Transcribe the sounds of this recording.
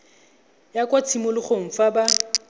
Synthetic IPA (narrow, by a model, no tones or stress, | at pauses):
jakʼwat͡sʰimʊlɪχoɱ̩faba